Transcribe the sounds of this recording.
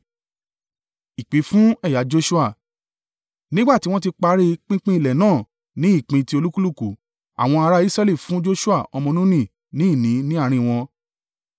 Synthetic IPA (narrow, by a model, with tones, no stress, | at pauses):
i˨k͡pi˨˦fũ˦ɛ˦˨ja˨˦d͡ʒo˧ʃu˦a˦˨ | nĩ˦ɡ͡ba˦˨ti˨˦w̃ɔ̃˦ti˧k͡pa˧˦ɾe˧k͡pĩ˦k͡pĩ˦i˧˨lɛ˨nãː˦˨ | nĩ˨˦i˦˨k͡pĩ˧ti˧o˧lu˦ku˦lu˦˨ku˨ | a̰˨w̃ɔ̃˧a˧ɾa˦i˦sɾɛ˦li˦˨fũ˨˦d͡ʒo˦ʃu˦a˦˨ɔ˧mɔ̃˧nũ˦nĩ˦˨ | nĩ˨˦i˦˨nĩ˨˦nĩ˦a˦˨ɾ̃ĩ˧w̃ɔ̃˧